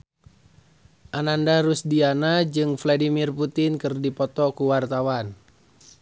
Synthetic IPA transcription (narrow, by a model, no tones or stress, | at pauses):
ʔanandaɾusdianad͡ʒɨŋfladimirput̪ɪnkɨrdipɔt̪ɔkuwart̪awan